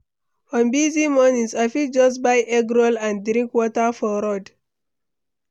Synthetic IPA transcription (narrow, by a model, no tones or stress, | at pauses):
fɔ̃nbizimɔnĩnsafitd͡ʒɔsbajʔɛɡɹɔlãndɾĩŋkwɔtafɔɾɔd